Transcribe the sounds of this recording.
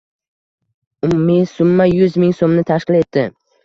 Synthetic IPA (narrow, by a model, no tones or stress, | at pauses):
ʊmumisʊmːajʊzmɪŋsomnɪt̪ʰaʃqɪle̞t̪ːɪ